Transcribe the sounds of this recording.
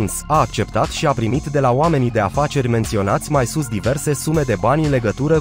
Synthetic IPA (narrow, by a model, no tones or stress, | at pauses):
nsaːk̚t͡ʃe̞pt̪at̪ʃiapɾimit̪d̪e̞laoame̞nid̪e̞afat͡ʃe̞rʲme̞nt̪sio̞nat̪sʲmajsusd̪ive̞rse̞sume̞d̪e̞banʲɨnle̞ɡət̪uɾə